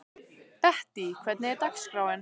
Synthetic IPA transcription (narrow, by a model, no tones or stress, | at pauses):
b̥ɛhd̥ikʰwɛdnedakskrɔwɛn